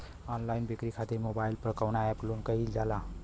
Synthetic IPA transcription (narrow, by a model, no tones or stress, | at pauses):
ɔnlainbikɾikʰat̪iɾmobailpɾəkəwnaɛplonkəild͡ʒala